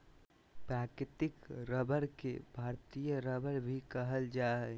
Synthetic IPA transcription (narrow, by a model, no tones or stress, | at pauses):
pɾaːkɾɪt̪ɪkɾəbəɾkḛbʱaːɾt̪ijəɾəbəɾbʱikəɦəld͡ʒaɦɛ